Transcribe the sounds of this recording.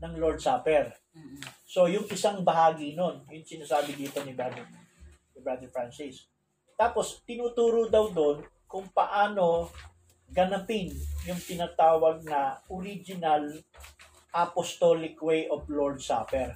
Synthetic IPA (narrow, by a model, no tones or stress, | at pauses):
nɐŋlold̪̚saːpɛɾ | so̞jʊŋʔɪsaŋbɐɦaːɡɪno̞njʊŋsɪnaːsaːbɪd̪iːt̪o̞nɪbad̪ɛ | nɪbɹad̪ɛɹfɹansɪs | t̪aːpo̞st̪ɪnuːt̪uːɾʊd̪awd̪on | kʊŋpɐʔaːno̞ | ɡɐnɐpɪnjʊŋt̪ɪnaːt̪aːwɐɡ̚nɐʔʊɾid͡ʒɪnɐl | ʔɐpost̪olɪkwejʔofloɹd̪sa̰ːpɛɹ